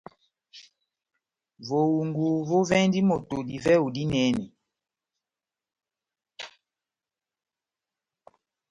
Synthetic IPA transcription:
vo˨wu˨ŋɡu˨vo˦vɛ˦n˦di˦mo˨to˨di˨vɛ˦u˨di˦nɛ˨˦ni˨

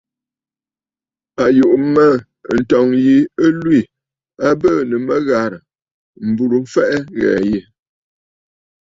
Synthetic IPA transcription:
a˨ju˨ʔmə˦˨ | n̩˨tɔ˨ŋji˨ə˦lwi˦˨ | a˦bə˦˨nə˨mə˦ɣa˨ɾə˨ | m̩˨bu˨ɾu˨ɱ̩˦fɛ˦ʔɛ˦ɣɛ̰ː˨ji˨

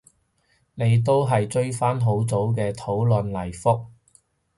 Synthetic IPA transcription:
ne˨˧jt̪̬o˥wɦɐ˨jt͡ʃɵ˥ɥfaː˥nɦo˨˥wt͡so˨˥wk̬ɛː˧t̪ʰo˨˥wlɵ˨nlɐ˨˩jfʊ˥k̚

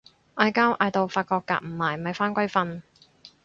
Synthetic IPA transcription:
ʔaː˧jkaː˥wʔaː˧jt̪o˨wfaː˧t̚kɔː˧kːa̰ː˧k̚m̩˨˩maː˨˩jmɐ˨jfaː˥nkʷɐ˥jfɐ˧n

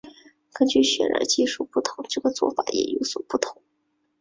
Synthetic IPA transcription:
kə˥nt͡ɕy˥˩ɕɥɛ˨˩nə̰˧˥t͡ɕi˥˧ʂu˥˩pu˥˩t̪ʰʊ˧˥ŋʈ͡ʂɤ˥˩ɡə˨t͡swɔ̰˥˩fa˨˩˥jɛ̰˨˩jo˧˥ʊswɔ˨˩pu˥˩t̪ʰʊ˧˥˦ŋ

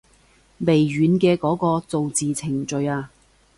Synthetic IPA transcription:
me˨˩jɥyː˨˧˥nkɛː˧kɔː˨˥kɔː˧t͡so˨wt͡siː˨t͡sʰɪ˨˩ŋt͡ʃɵ˨˧ɥaː˧

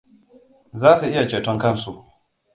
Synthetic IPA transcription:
zaː˦su˨ʔɪ˦ja˨t͡ʃeː˨tɔ˦ŋkɐ˦nsu˨

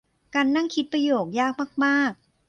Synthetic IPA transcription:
kaː˧nːa˥˩ŋkʰi˦˥t̪̚pɾa˧joː˨˩k̚jaː˥˩k̚maː˥˩k̚maː˥˩k̚

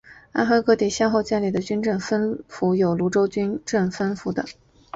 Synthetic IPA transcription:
a̰˥xa˥kɤ˥˧t̪i˥˨˩ɕjɑ˥˧xo˥˧ʊt͡ɕja˥˩nli˨˩d̪ə˦t͡ɕy˥nʈ͡ʂɤ˥˩ŋfə˥nfu˧˥jo˨˩ʊlu˧˥ʈ͡ʂo˥ʊt͡ɕy˥nʈ͡ʂə˥˩ŋfə˥nfu˧˥d̪ə̰˧

